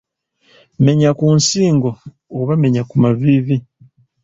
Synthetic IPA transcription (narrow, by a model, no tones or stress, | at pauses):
me̞ɲakunsiːŋɡo̞ | oβame̞ɲakumaβiβi